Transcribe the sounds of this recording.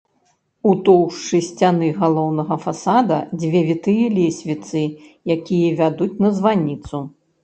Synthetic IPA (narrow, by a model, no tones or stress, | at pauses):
ut̪ɔwʂt͡ʂɨsʲt͡sʲanɨɣalˠɔwnɐɣɐfasad̪ɐd͡zʲvʲɛvʲit̪ɨjɐlʲesʲvʲit̪sɨjakʲijɛvʲad̪ut͡sʲnɐzvanʲit̪su